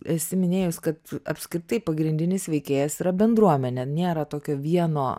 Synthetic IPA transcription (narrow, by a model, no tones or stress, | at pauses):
ɛsʲɪmʲɪnʲeːjʊsʲkɐt̪ɐ̰pʲsʲkɾʲɪt̪ɐɪpɐɡɾʲɪnʲd̪ʲɪnʲɪsʋʲɛɪkʲeːjɛsiːɾɐbʲɛnd̪ɾuɔmʲɛnʲenʲeːɾɐt̪oːkʲoːʋʲiɛnoː